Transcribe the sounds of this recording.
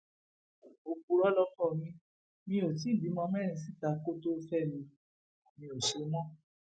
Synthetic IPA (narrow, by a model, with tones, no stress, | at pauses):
o˨ku˨ɾɔ˦lɔ˦fɔ˦˨mĩ˧ | mĩ˦o˨t̬i˨˦˨di˨˦mɔ̃˦mɛ̃˦ɾ̃ĩ˧s̬i˦ta˧˦ko˦to˦fɛ˦˨nĩ˧ | mĩ˧o˨ʃe˨˦mɔ̃˦